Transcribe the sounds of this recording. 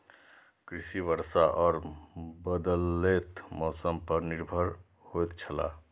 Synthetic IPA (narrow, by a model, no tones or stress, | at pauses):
kɾisibəɾsaʔɔːɾbəd̪əlet̪mɔsəmpəɾniɾbʱəɾ | hojt̪t͡ʃʰəla̰